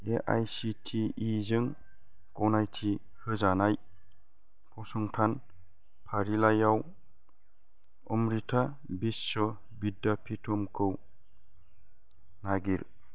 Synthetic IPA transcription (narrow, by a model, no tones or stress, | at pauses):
eʔa̰jsitʰiizɯŋ | kɔwnajtʰi | hɯzanaj | pʰɔsɔŋtʰan | pʰaɾilajaw | ɔ̰mɾitʰa | bisːɔ | bidːapʰitʰɔmkʰɯw | naɡiɾ